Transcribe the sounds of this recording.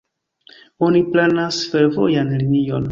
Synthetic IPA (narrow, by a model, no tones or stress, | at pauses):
o̞niplanasfeɾvojanlinio̞n